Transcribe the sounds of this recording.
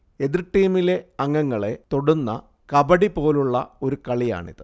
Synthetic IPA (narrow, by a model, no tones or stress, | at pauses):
e̞ðirʈːiːmile̞ɐŋːɐŋːɐɭe̞t̪o̞ɽunːɐ̰ | kɐbɐɽipo̞ːluɭːɐ̰o̞ɾukɐɭija̰ːɳḭðɨ